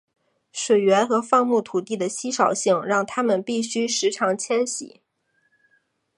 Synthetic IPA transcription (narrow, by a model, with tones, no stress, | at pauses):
ʂwe˨˩ɪɥɛ˧˥nxɤ˧˥fɑ˥˧ŋmu˥˩t̪ʰu˨˩t̪i˥˩d̪ə˩ɕi˥ʂɑ˨˩ʊɕi˥˩ŋɻɑ˥˩ŋt̪ʰa˥mə˨npi˥˩ɕy˥ʂɻ̩˧˥ʈ͡ʂʰɑ˧˥ŋt͡ɕʰjɛ˥nɕḭ˨˩˦